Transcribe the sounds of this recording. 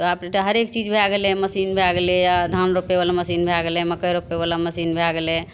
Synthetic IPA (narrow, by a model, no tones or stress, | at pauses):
t̪ɔapneʈaɦəɾekt͡ʃid͡ʒbʱaɡelẽməsinbʱaɡelejad̪ʱanɾopebalaməsinbʱaɡeleməkəjɾopːeβalaməsinbʱaɡelẽ